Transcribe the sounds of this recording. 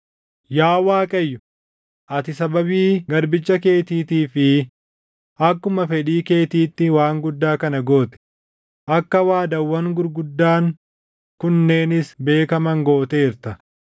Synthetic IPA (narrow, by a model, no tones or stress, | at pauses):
jaːwaːkʼɐjːʊ | ʔɐt̪ɪsɐbɐbiːɡɐɾbɪt͡ʃːɐke̞ːt̪iːt̪iːfɪ | ʔɐkːʊmɐfɛᶑiːke̞ːt̪iːt̪ːɪwaːŋɡʊd̪ːaːkɐnɐɡo̞ːt̪ɛ̥ | ʔɐkːɐwaːd̪ɐwːɐŋɡʊɾɡʊd̪ːaːŋ | kʊnːe̞ːnɪsbe̞ːkɐmɐŋɡo̞ːt̪eːɪɾt̪ɐ